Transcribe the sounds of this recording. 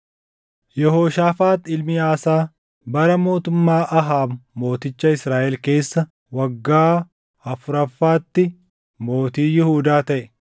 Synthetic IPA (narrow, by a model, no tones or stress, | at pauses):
jɛɦoːʃaːfaːt̪ɪlmɪaːsaː | bɐɾɐmo̞ːt̪ʊmːaːʔɐɦaːbːo̞ːt̪ɪt͡ʃːɐɪsɾaːʔɛlke̞ːsːɐ | wɐɡːaː | ɐfʊɾɐfːaːt̪ːɪ | mo̞ːt̪iːjɪhuːd̪aːt̪ɐʔɛ